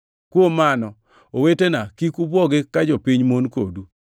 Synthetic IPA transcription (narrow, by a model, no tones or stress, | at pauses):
kwomanɔ | owetenakikubɔɡɪkad͡ʒɔpiɲmonkodu